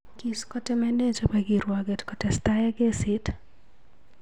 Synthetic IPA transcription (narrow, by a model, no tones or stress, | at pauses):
kiskɔtɛmɛned͡ʒopɛɡiɾwaɡetkɔtɛst̪ajaɡesɪt